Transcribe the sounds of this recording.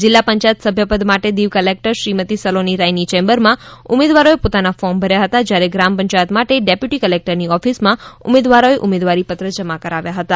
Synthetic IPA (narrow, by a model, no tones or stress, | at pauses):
d͡ʒɪlːapəɲt͡ʃajət̪səbʱjəpəd̪maʈed̪iʋkəlek̚ʈəɾʃɾimət̪isəloniɾajnit͡ʃẽmbəɾmãʊmed̪ʋaɾoepot̪anafɔɾmbʱəɾjaɦət̪ad͡ʒjaɾeɡɾampə̃ɲt͡ʃajət̪maʈeɖepjuʈikəlek̚ʈəɾniɔfismãʊ̰med̪ʋaɾoeʔʊmed̪ʋaɾipət̪ɾəd͡ʒəmakəɾaʋjaɦət̪a